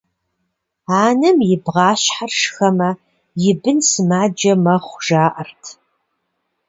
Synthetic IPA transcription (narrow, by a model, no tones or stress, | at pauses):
aːnɐmjɪbʁɑːɕħarʂxɐmɐ | jɪbɨnsɨmaːd͡ʒɐmɐχʷʒaːʔɐrtʰ